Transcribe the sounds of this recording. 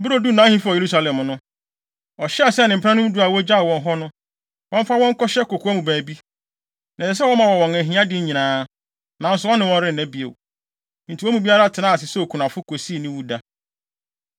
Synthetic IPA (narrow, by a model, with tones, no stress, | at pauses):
bʊ˦ɾo˦˨du˦nã˨˦hĩ˦fu˦ɔ˨je˨ɾu˦sa˨lɛ̃˨m˨nʊ̃˦ | ɔ˨ɕɛ˦a˨sɛ˦˨nɪ̃˨m̩˨pʰã˦nʊ̃˦m̩˦du˨˦a˨wɔ˦d͡ʑa˦˨wɔ̃˨ŋ˦ɦɔ˦nʊ̃˦ | wɔ̃˦m˦fa˦wɔ̃˦ŋ˦kɔ˦ɕɛ˦ko˨kʰu˨a˦mũ˨bæ̃ː˨bi˦ | nã˨ɛ˨s̬ɛ˦wɔ˦mã˨wɔ˨wɔ̃˨ŋæ˨ɦĩ˨˦ã˦dɪ̃˦ɲĩ˨nãː˨˦ | nã˨n̩˦sʊ˨˦wɔ̃˦nːɪ̃˦wɔ̃˦ɾɪ˦n̩˨næ̃˦bi˨o̰˨˦ | n̩˨tʰi˨wɔ˦mũ˨bi˦a˦ɾa˦tʰɪ˨nãː˦˨s̬ɪ˨sɛ˦o˨kʰu˨nã˨fʊ˦kʰo˨si˦˨nɪ̃˦wu˦da˦